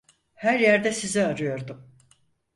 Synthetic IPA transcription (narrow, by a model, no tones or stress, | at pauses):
hæɾjæɾd̪ɛsizɛaɾɯjo̞ɾd̪um